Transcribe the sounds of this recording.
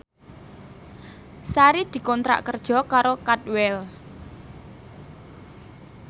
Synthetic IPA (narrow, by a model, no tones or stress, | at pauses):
saɾid̪̥i̤kɔnt̪ɾa̰ʔkərd̥ʒ̥ɔ̤kaɾokat̪̚wɛl